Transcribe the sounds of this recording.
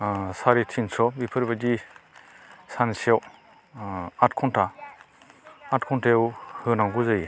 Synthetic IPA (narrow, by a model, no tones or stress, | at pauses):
saɾitʰinsɔbipʰɯɾbad͡ʒi | sansiaw | atkʰɔnta | tkʰɔntawhɯnaŋɡuzaj